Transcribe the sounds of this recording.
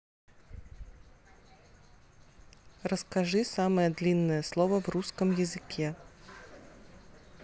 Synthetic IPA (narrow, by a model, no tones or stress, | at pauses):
rɐskaʐɨsamɐjɛd̪lʲinːɐjɛslˠɔvɐvruskəmjɛzɨkʲʰɛ